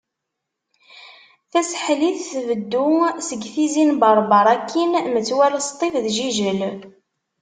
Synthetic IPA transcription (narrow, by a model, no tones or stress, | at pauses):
θæsħliθθvəd̪ːusəɡθizinbɑɾˤbɑɾˤɑkːinmət͡sːwæləst̪ˤifðʒiʒəl